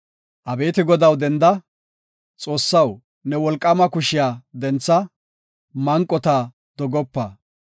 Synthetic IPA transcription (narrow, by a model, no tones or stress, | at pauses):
ʔɐbe̞ːt̪ɪɡɔd̪ɐwd̪ɛnd̪ɐ | t͡sʼo̞ːsːɐw | nɛwɔlkʼːɐmɐkʊʃɪjaːd̪ɛnt͡sːɐ | mɐŋkʼːɔt̪ɐ | d̪̥ɔɡɔpːɐ